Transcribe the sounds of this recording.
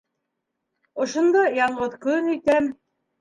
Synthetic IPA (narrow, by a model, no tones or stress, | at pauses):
ŏʃŏnd̪ɑjɑɴɢɤðkɵnɵ̆jt̪æm